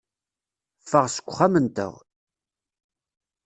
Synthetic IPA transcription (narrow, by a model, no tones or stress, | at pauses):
fəʁsə̥kʷːʊχːamənt̪ə̰ʁ